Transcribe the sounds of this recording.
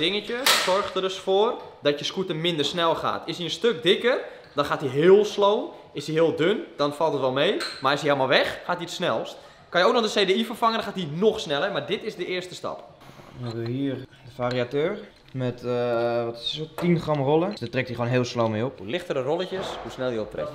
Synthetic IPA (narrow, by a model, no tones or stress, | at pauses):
d̥ɪŋət͡ʃəsɔrxtədøsfoərdɔtjəskuətəmɪndərsnɛlˠxa̰ːtɪsiənstøk̚dɪkər | dɔnxaːtiɦɪːəlˠsloːn | ɪsiɦɪːəlˠdønd̥ɔnfɑlˠtətʋɔlˠmejmarɪsielˠmalˠʋɛxːaːtiətsnɛlˠst | kanjəoːknɔxdəseːdeifərfaŋənxaːtinoxsnɛlˠəmadɪtɪzdəɪərstəstɑ̰p | ja̰ɛbəəhiərdəfariatøːr | mɛtʋɔtsotinχrɔmrolˠədatrɛktiχwoːnɦeːlˠslowmejopulɪxtərərolˠəcəshusnɛlˠjəop̚trɛ̰f